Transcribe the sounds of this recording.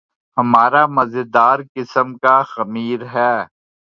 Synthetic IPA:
ɦɐmaːɾamɐzɪd̪aːɾkɪsəmkaxɐmiːɾɦɛː

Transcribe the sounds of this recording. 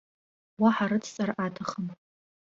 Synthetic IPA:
waħaɾɨt͡sʰsʼarʔatʰaχəm

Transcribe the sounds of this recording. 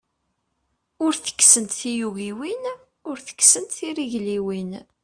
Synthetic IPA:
ʊɾθə̥kːsənt̪θijuɣiwin | ʊɾθə̥kːsənt̪θiriʝliwin

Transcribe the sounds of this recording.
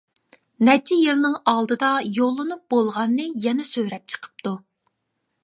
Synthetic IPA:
nɛt͡ʃʰijilnɨŋɑlˠd̪ɨd̪ɑjolˠːɨnup̚b̥olˠʁɑnːɨjɛnɛsøɾɛp̚t͡ʃʰə̥qʰə̥p̚t̪ʰu

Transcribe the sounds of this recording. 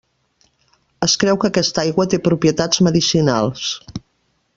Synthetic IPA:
əskɾɛwkəːkɛst̪ajɣwət̪epɾupɾiət̪ad͡zməðisinalˠs

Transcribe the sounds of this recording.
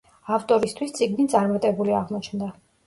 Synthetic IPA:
aft̪ʼɔɾist̪ʰwist̪sʼiɡnit̪sʼaɾmat̪ʼɛbuliaʁmɔt͡ʃʰnd̪a

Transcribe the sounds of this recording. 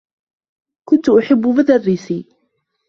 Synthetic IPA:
kʊnt̪ʊʔʊħabːʊbɪd̪arːisiː

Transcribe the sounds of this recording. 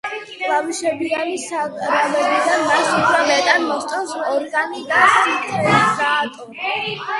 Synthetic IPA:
lamiʃɛbianisaɾalɛbid̪amasupʰɾalɛt̪ʼanmɔχt̪ʼansɔɾɡanid̪asit̪ʰɛsɡaːt̪ʼɔ

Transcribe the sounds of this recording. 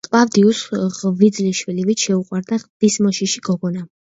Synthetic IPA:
kʼlavd̪iusʁvid̪zliʃwilivit͡ʃ̪ʃɛuqʼwaɾd̪aʁd̪̥ismɔʃiʃiɡɔɡɔna

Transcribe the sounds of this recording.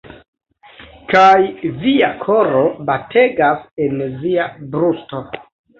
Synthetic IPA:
kajviakʰo̞ɾo̞batʰe̞ɡase̞nviabɾusto̞

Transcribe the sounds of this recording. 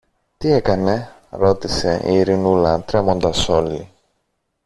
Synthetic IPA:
t̪ie̞kɐne̞ | ɾo̞t̪ise̞ʔḭːɾinulɐt̪ɾe̞mo̞nd̪ɐso̞li

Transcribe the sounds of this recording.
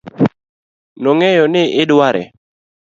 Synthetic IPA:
nɔŋɛjɔnɪʔɪdwaɾɛ̰

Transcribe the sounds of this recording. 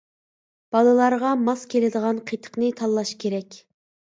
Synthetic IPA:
b̥ɑlˠɨlˠɑɾʁɑmɑskʲʰelɪd̪əʁɑnqʰet̪ʰə̥qnɨt̪ʰɑlˠːɑʃkʲʰeɾɛkʲ

